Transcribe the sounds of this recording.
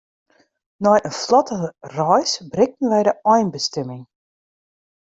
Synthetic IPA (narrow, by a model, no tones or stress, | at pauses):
nɔjʔənflɔtəərɔjsbrɪk̚tn̩ʋɛjdəɔjnbəstɛmɪŋ